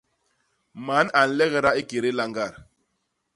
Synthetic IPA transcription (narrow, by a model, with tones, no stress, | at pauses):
ma˨˦na˨n̩˦lɛ˦ɣɛ˦ɾa˦i˦ke˨ɾe˦la˦ŋɡa˦˨ɾ